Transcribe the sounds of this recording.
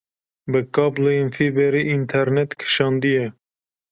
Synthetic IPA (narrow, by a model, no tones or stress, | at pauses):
bɨkɑːbloinfibɛɾiʔint̪ʰɛɾnɛt̪kʰɨ̥ʃɑːnd̪ijɛ